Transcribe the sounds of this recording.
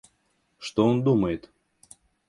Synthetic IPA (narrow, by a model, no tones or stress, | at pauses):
ʂt̪oond̪uməjɪt̪